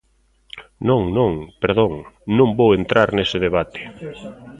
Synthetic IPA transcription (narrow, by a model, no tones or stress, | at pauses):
nõŋnõŋpeɾðoŋnõmbowent̪ɾʔaɾnesɪðeβ̞at̪e̥